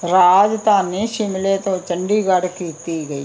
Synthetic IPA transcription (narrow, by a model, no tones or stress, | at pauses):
ɾaːd͡ʒt̪aːniʃɪmlet̪ot͡ʃəɳɖiːɡɐɽkiːt̪iɡɐi